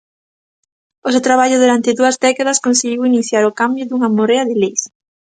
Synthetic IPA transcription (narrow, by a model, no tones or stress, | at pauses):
osewt̪ɾaβ̞aʎʊðuɾant̪ɪðuɐzdɛkaðɐskonseɣiwiniθjaɾʊkambjʊðuŋɐmoɾeɐðɪlejs